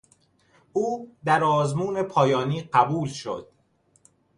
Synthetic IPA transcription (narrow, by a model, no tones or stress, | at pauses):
ʔuːd̪æɾɒːzmuːne̞pʰɒːjɒːniːɢæbuːlʃo̰d̪̥